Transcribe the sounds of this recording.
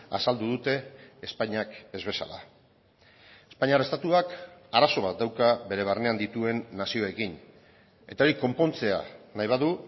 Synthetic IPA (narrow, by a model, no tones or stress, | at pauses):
a̰sald̪uðut̪e̞ːspajɲake̞zβe̞sa̰la̰ | e̞spaɲaɾe̞st̪at̪uakaɾaso̞β̞at̪̚d̪awkaβe̞ɾe̞β̞arne̞and̪it̪ue̞nːasio̞e̞kin | e̞t̪aoɾiko̞mpo̞nt͡se̞a̰najβaðu